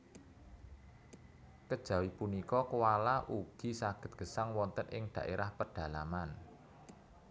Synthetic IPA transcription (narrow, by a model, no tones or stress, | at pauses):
kəd̥ʒ̥a̤wipunikɔkuwalaʔuɡ̥i̤saɡ̥ə̤t̪̚ɡ̥ə̤saŋwɔnt̪ənʔɪŋɖ̥a̤ʔeɾʔahpərɖ̥a̤laman